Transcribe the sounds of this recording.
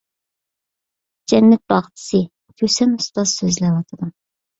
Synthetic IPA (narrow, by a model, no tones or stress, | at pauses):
d͡ʒɛnːɛt̪̚bɑʁt̪ʰɨ̥sɨ | kʲʰøsɛnust̪ɑzsøzlɛwɑt̪ʰɨd̪ɨm